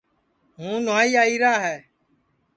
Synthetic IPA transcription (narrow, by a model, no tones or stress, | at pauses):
ɦũːnʊaːiːaːiːɾaːɦɛː